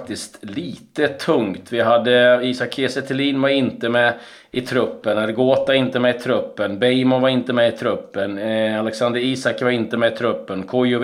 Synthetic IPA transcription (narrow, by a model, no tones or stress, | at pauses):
k̚t̪ɪst̪liːt̪ət̪ʰɵŋt̪vɪɦad̪ːəiːsakʰesɛt̪ʰɪliːnvaɾɪnt̪əmɛ | ɪt̪ʰɾɵpːənaɾɡoːt̪aɾɪnt̪əmɛɪt̪ʰɾɵpːənbɛjmɔvaɾɪnt̪əmɛɪt̪ʰɾɵpːənalɛksand̪əɾiːsakvaɾɪnt̪əmɛɪt̪ʰɾɵpːənkʰɔjʊ